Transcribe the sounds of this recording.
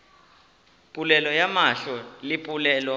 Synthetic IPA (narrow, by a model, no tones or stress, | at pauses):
pʼulɛlɔjamaɬɔlipʼulɛːlɔ